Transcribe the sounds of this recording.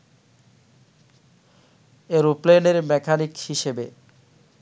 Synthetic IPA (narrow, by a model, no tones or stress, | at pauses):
eɾupleneɾmɛkʰanikhiʃebe